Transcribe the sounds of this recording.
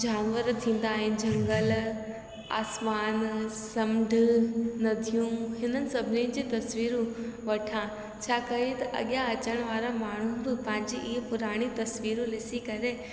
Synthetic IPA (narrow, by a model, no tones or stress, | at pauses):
d͡ʑaːnʋəɾt̪ʰĩːnd̪aːɦɪnd͡ʒɐ̃ŋɡəl | a̰ːsmaːnsɐmɖʱnɐd̪ʱijũɦɪnənɪ̆sɐbʱɪnĩnd͡ʑiːt̪ɐsʋiːɾũʋɐʈʰã | t͡ʃʰaːkɐɾĩt̪ɐʔɐ̰ɠjaɐt͡ɕəɽ̃ʋaːɾamaːɳ̤̃uɦbɪpɐ̃ɪ̃ɲd͡ʑiʔiːpʊɾaːɽ̃it̪ɐsʋiːɾũlɪsikɐɾe